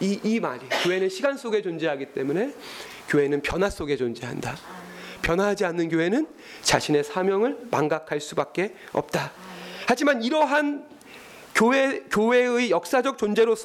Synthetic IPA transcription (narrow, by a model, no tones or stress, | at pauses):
iːmaɾikjoɦe̞nɯnɕʰiɡans͈oɡe̞t͡ɕond͡ʑe̞ɦaɡit͈e̞mune̞ | kjoɦe̞nɯnpjʌnɦas͈oɡe̞t͡ɕond͡ʑe̞ɦa̰nda | pjʌnɦaɦad͡ʑianːɯnkjoɦe̞nɯn | t͡ɕaɕʰine̞sʰamjʌŋɯɭma̰ŋɡakʰaɭs͈ubak̚k͈e̞ʌ̰p̚t͈ahad͡ʑimaniɾʌɦan | koekjowe̞ɯijʌk̚s͈ad͡ʑʌk̚t͡ɕ͈ond͡ʑe̞ɾos